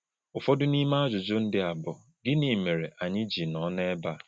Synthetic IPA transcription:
ʊ˨fɔ˦dʊ˦ni˦ma˦a˦d͡ʒʊ˨d͡ʒʊ˦n̩˦dɪ˦a˨bɔ˨ | ɡɪ˦ni˨me˨ɾe˨ʔa˨ɲɪ˦d͡ʒi˨nɔ˨˦ne˦ba˦˨

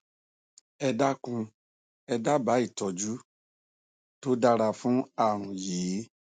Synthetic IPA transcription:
ɛ˧da˦kũ˧ | ɛ˧da˦ba˨˦i˦˨tɔ˧d͡ʒu˦ | to˦da˦ɾa˧fũ˦a˦˨ɾ̃ũ˨jeː˨˦

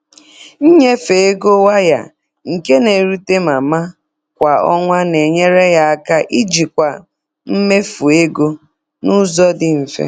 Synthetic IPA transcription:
ɲ̩˦ɲe˦fe˨e˦ɡo˦wa˦ja̰˨ | ŋ̩˨ke˦ne˨ɾu˦te˦ma˨ma˦ | kʷa˨ɔ˦ŋʷa˦ne˨ɲe˦ɾe˦ja˦a˦ka˦ʔi˦d͡ʒi˨kʷa˨ | m̩˦me˦fu˨e˦ɡo˦ | nu˦zɔ˦dɪ˦m̩˨fḛ˦

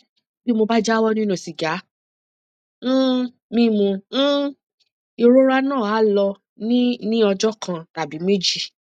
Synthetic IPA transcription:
bi˦mo˧ba˦d͡ʒa˦wɔ˦nĩ˦nũ˨si˨ɡa˨˦ | mĩ˦mũ˧˦ | i˨˧ɾo˦ɾa˧nãː˦˨a˨˦lɔ˧ | nĩ˦nĩ˦ɔ˧d͡ʒɔ˦kʰã˧ta˨bi˨˦me˦d͡ʒi˦˧

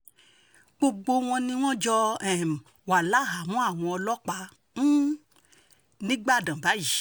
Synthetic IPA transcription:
ɡ͡bo˧ɡ͡bo˧w̃ɔ̃˧nĩ˧˦w̃ɔ̃˦d͡ʒɔ˧ɛ˨m˨ | wa˨la˨˦ɦa˨mɔ̃˦a˦˨w̃ɔ̃˧ɔ˧lɔ˦k͡pa˧˦ | m̩˦ | nĩ˨˦ɡ͡ba˦˨dã˨ba˨˦ji˨˦

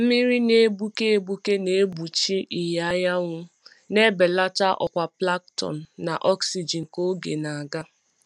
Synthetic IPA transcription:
m̩˦mi˦ɾi˦ne˦bu˦ke˦e˦bu˦ke˦ne˨e˦bu˨t͡ʃi˦ʔi˨ja˦ja˦ŋʷʊ˦ | ne˦be˨la˦ta˦ʔɔ̰˨kʷa˨pla˦k̚tɔ̰˨n̩˨na˨ʔɔ˦ksi˨d͡ʒi˨n̩˨ko˦ɡe˨na˨a˨ɡa˦

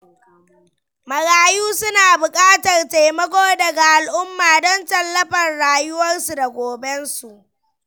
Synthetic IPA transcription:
mɐ˨ɽaː˨juː˦sʊ˦naː˨bʊ˨kʼaː˦tɐ˨rte˨jmɐ˦kʷoː˦dɐ˨ɡa˨ʔa˨lʔʊ˦mːaː˨dɔ˦ntɐ˨lːɐ˦ɸɐ˨nɽaː˨jʊ˦wɐ˦rsu˨da˨ɡʷoː˨bɛ˦nsu˨ʔ

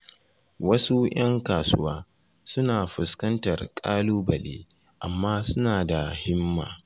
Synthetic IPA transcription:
wɐ˦su˦j̰ɐ˦ŋkaː˨sʊ˦waː˦ | sʊ˦naː˨ɸʊ˨skɐ˦ntɐ˨rkʼaː˦luː˦bɐ˨lḛː˦ | ʔa˨mːaː˦sʊ˦naː˨da˨hɪ˦mːa̰ː˨

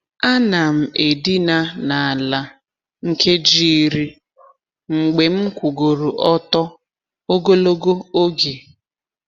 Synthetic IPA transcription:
a˦na˨m̩˨e˨di˦na˦na˨a˨la˨ | ŋ̩˦ke˦d͡ʒi˦˨˦ɾi˦ | ŋ͡m̩˨ɡ͡be˨m̩˦kʷu˨ɡo˨ɾu˨ʔɔ˦tɔ˦ | o˦ɡo˦lo˦ɡo˦o˦ɡe˨

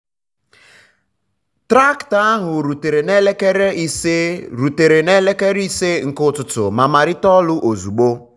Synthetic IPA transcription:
tɾa˦kta˦a˦ɦʊ˨ɾu˨te˨ɾe˨ne˦le˦ke˦ɾe˦i˦se˦ɾu˨te˨ɾe˨ne˦le˦ke˦ɾi˦se˦ŋ̩˨kʊ˦tʊ˨tʊ̰˨ma˨ma˨ɾɪ˦tɔ˦lʊ˦ʔo˨zu˨ɡ͡bo˦

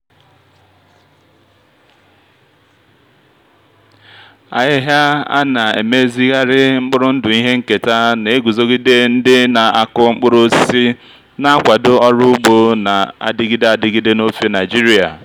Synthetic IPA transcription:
a̰˨ɦɪ˦ɦa˦a̰˦na˨ḛ˨me˦zi˦ɣa˦ɾɪ˦ŋ͡m̩˦k͡pʊ˦ɾʊ˦n̩˦dʊ˨i˦ɦe˦ŋ̩˦ke˨ta˦ne˨˦ɡu˨zo˦ɡi˦de˦n̩˦dɪ˦na˨a˨kʊ˦ŋ͡m̩˦k͡pʊ˦ɾʊ˦si˦ | na˦a˦kʷa˨dʊ˦ɔ˦ɾʊ˦ɡ͡bo˦na˨a̰˨dɪ˦ɡi˦de˦a˨dɪ˨ɡi˦de˦no˦fe˦na˨ɪ˨d͡ʒi˦ɾi˦a˨

